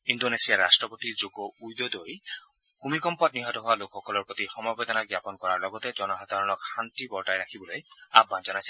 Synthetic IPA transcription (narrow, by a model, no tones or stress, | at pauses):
indonesijaastɹɔpot̪izoɡɔujd̪ɔd̪oj | kumikɔmpɔt̚niɦɔtɔɦʊwalokʰxɔkɔlɔɹpɹot̪ixɔmɔbed̪ɔnaɡjapɔnkɔɹaɹlɔɡɔt̪ɛzɔnɔɦad̪ʱaɹɔnɔkhantibɔɹtajɹakʰibɔloja̰bːanzɔnajsɛ̥